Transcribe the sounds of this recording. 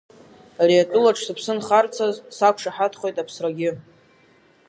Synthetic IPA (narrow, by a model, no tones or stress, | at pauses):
ariatʼʊlaʈ͡ʂʰsɨpʰsɨnχart͡sʰazsakʷʰʂaħatʰχʷojtʼapʰsraɡʲɪ